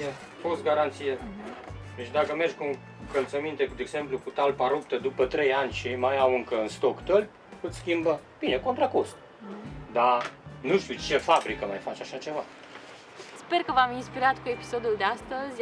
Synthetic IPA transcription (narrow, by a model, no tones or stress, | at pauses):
e | fost̪̚ɡaɾant̪sije | d̪et͡ʃd̪akəme̞rd͡ʒʲkuŋ | kəlt̪səmint̪e̞kud̪eɡzemplukut̪alpaɾup̚t̪əd̪upət̪ɾe̞janʲʃejmajawɨŋkəɨnst̪okt̪əlp | ɨt̪skʲimbəb̥ineko̞nt̪ɾakosk | d̪anuʃt̪ʲiut͡ʃe̞fabɾikəmajfat͡ʃaʃat͡ʃe̞va | sperkəvaminspiɾat̪kuepi̥sod̪uld̪east̪əzʲ